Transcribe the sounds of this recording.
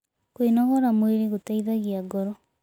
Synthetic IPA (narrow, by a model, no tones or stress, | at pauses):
kwinɔɣɔɾamweɾeɣotaiðaɣiaɡɔɾɔ